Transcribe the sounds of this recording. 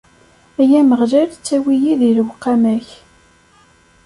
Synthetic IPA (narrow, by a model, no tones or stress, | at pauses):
æjæməʁʒæɾt͡sːæwijiðiɾəwqːæmæç